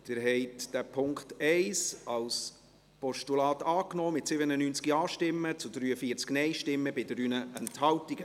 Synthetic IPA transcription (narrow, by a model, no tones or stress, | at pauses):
d̥ɪɾɦɛɪtd̥æpʰʊŋkχtɛɪsɑws | pɔʃtulɑːtɑːknɔːmɪtsɪbənənyːnt͡skiɑːʃtɪmːət͡sʊdɾyːəfiːəɾt͡sknɛɪʃtɪmːəbɪdəɾynəɛnthɑltiɡə